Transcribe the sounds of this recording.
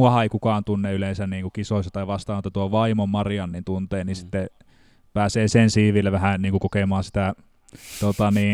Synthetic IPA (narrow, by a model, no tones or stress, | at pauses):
uɑhɑeˑikukɑːnt̪unːeyleˑnsænniːŋkukisoˑsʲɑt̪ɑiʋɑst̪ɑːnot̪ːɑt̪uoʋɑimommɑrjɑnːint̪unt̪eːnisit̪ːe | pæːseːsensiːʋilːæʋæhæniːŋkukokemɑːsi̥t̪æ | t̪ot̪ɑniː